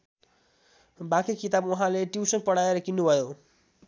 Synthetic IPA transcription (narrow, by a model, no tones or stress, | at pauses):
bãkikit̪abwuɦãleʈiwsʌŋpʌɽaeɾʌkinːubʱʌjo